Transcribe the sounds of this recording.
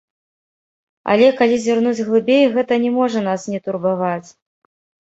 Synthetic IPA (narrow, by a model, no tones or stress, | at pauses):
a̰lʲɛkalʲizʲvʲarnud͡zʲɣlˠɨbʲejɣɛt̪ɐnʲɛmɔʐɐn̪asnʲɛt̪urbavat͡sʲ